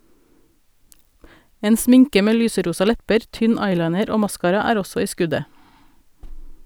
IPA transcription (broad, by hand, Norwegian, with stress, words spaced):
ˈeːn ˈsmɪŋkə ˈmeː ˈlyːsəˌɾuːsɑ ˈlɛpəɾ ˈtʏn ˈɑɪlɑɪnəɾ ˈoː ˈmɑskɑːɾɑ ˈæːɾ ˈɔsɔ ˈiː ˈskʉdə